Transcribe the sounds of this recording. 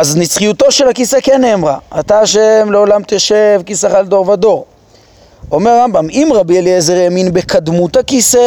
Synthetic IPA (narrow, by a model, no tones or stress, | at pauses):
aznit͡sχijut̪o̞ʃe̞lhakisekenemʁaat̪aaʃemleo̞lamt̪eʃe̞vkisaχald̪o̞ʁvad̪o̞ʁ | o̞meʁːambamimʁabieliezeʁeminbe̞kad̪mut̪hakise